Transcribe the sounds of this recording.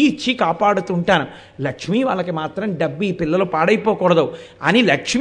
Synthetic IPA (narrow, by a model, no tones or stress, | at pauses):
t͡ʃːikaːpaːɽut̪uɳʈaːnu | lɐkʂmiʋa̰ːɭːɐkimaːt̪ɾɐmɖɐbːiːpilːɐlupaːɽɐjpɔːkɔːɽɐd̪ɐwɐnilɐkʂm